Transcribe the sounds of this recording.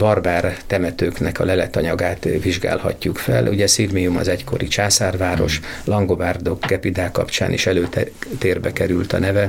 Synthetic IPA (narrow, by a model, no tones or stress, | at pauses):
bɒrbaːrt̪ɛmɛt̪øːknɛkɒlɛlɛt̪ɒɲɒɡaːt̪viʒɡa̰ːlhɒ̰cːukfɛ̰lʔuɟɛsirmijumɒ̰zɛcko̞̰ɾit͡ʃaːsaːrvaːɾo̞ʃlɒŋɡo̞baːrd̪okɡɛpid̪aːkɒ̰pt͡ʃa̰ːnḭʃɛløːt̪ɛt̪eːrbɛkɛɾylt̪ɒnɛvɛ